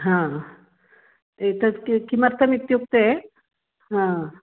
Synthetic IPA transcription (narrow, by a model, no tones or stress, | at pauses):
ɦã | et̪əkikiməɾt̪ʰəmit̪juk̚t̪e | ɦã